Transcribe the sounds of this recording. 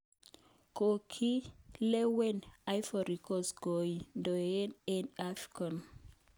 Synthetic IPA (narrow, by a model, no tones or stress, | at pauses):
kokʰilewɛnajfɔɾikɔsɡojindɔɛnɛnafi̥kãn